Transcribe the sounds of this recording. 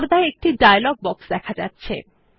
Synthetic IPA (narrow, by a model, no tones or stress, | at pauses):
ɾd̪aeek̚ʈiɖajlɔɡ̚bɔksd̪ɛkʰad͡ʑa̰tːɕʰḛ